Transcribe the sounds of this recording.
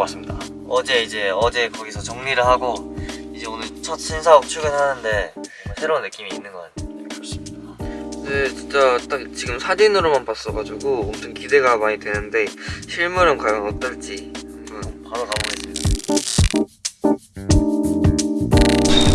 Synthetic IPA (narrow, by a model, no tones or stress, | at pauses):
as͈ɯmɲida | ʌd͡ʑe̞id͡ʑe̞ʌd͡ʑe̞kʌɡisʰʌt͡ɕoŋɲiɾɯɭɦaɡoid͡ʑe̞onɯɭt͡ɕʰʌt̚t͡ɕʰinsʰaʌk̚t͡ɕʰuɡehanɯnde̞ | sʰe̞ɾonːɯk͈imiːnːɯnɡʌk͈atʰekɯɾʌs͈ɯidakdet͡ɕint͡ɕ͈at͈ak̚t͡ɕiɡɯmsʰad͡ʑinɯɾomanpas͈ʌɡad͡ʑuɡoʌmt͡ɕʰʌnkide̞ɡamaɲidwe̞nɯnde̞ɕʰiɭmuɾɯnkajʌŋʌt͈ʌɭt͡ɕ͈iɯmɡɯnpaɾokaboɡes͈ɯmida